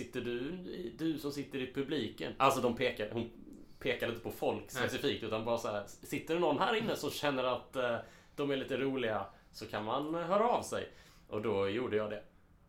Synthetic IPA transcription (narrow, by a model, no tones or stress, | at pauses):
sɪt̪ːəɖɵɪd̪ɵsɔmsɪt̪ːəɾɪpʰɵbliːkə̰nʔalsɔd̪ɔmpʰeːkaɾhʊn | pʰeːkaɾɪnt̪əpʰɔfɔlkspɛsɪfiːk̚t̪ʉt̪anbɑːɾasæːɾsɪt̪ːəɖnɔnːɦæːɾɪnːəsɔmɕɛnːəɾat̪ | d̪̥ɔmæɭiːt̪əɾuːlɪɡa | sɔkʰanmanɦœːɾaːvsɛ̰j | ʔɔd̪ɔjuːɖəjɑːd̪ɛ